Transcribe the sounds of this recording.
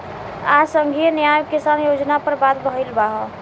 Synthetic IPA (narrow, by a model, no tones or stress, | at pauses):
asəŋɡʱijənjajkisanjod͡ʒnapəɾbad̪bəɦilbaɦɔ